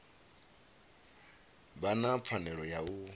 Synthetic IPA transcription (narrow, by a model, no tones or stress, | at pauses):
banap̪fʰanɛɺɔjau